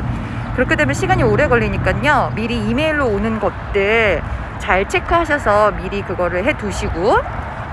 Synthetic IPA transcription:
kɯɾʌkʰet͈emjʌnɕʰiɡaɲioɾe̞ɡʌʎːiɲik͈aɲomiɾiːmeiɭːoonɯnɡʌt̚t͈e | t͡ɕaɭt͡ɕʰe̞kʰɯɦaɕʰʌsʰʌmiɾikɯɡʌɾɯɭɦe̞tuɕʰiɡo

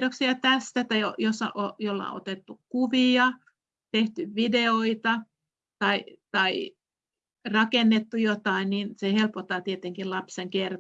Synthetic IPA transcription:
doksiɑt̪æst̪æt̪ɑjojosːɑ̰ʔojolːɑ̰o̰t̪et̪ːukuʋiɑ | t̪eht̪yʋʋideoit̪ɑ | t̪ɑit̪ɑi | rɑkenːet̪ːujot̪ɑinninsehelpot̪ːɑt̪iet̪eŋkilɑpseŋker

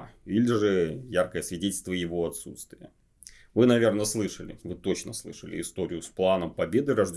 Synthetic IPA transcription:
ilʲɪʐɨjarkəjəsvʲɪdʲetʲlʲst̪vəjɪvoɐt̪sut̪st̪vʲɪjə | vɨnɐvʲe̞rnəslˠɨʂəlʲɪ̰vɨt̪o̞t͡ɕnəslˠɨʂəlʲɪ̰ɪst̪o̞ɾʲɪjʊsplˠanəmpɐbʲe̞d̪ɨɾɐʐdʲ

